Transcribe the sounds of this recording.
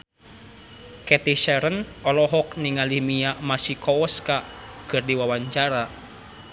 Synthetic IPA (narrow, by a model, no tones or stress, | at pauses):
kɛt̪iʃɛɾənɔlɔɦɔk̚niŋalimiamasikɔɔskakɨrdiwawaɲt͡ʃaɾa